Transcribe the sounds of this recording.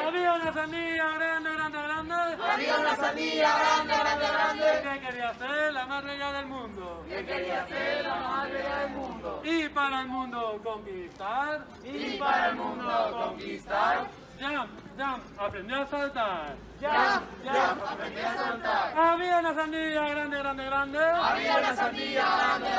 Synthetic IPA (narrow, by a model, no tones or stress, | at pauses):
aβiaunas̬aniʝaɣɾand̪eɣɾãnd̪eɣɾãnd̪eaβiaunasaniaɣɾand̪eɣɾand̪eɣɾand̪ekekeɾiaseɾlamasβeʝaðelmũnd̪okekeɾiaseɾlamaasβeʎaðelmũnd̪oipaɾaelmũnd̪okoŋkist̪aɾ | ipaɾaelmũnd̪okoŋkist̪aɾ | d͡ʒam | d͡ʒam | apɾẽnd̪jioasalt̪aɾɾ | d͡ʒaaaapɾend̪asalt̪aɾaβiaunas̬ãnd̪iʝaɣɾand̪eɣɾãnd̪eɣɾãnd̪eaβianasand̪iʎaɣand̪e